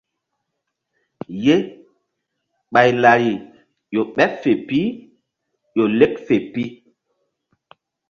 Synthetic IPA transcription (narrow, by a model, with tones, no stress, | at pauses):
je˦ | ɓa˨jla˨ɾi˨ | jo˨ɓɛ˦fe˨pi˦ | jo˨le˦k̚fe˨pi˦